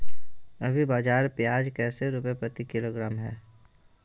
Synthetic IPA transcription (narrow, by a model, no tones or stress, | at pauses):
ɐbʱibaːd͡ʒaːɾpjaːd͡ʒkɛːseɾʊpepɾət̪ikɪloːɡɾaːmɦɛ̰ː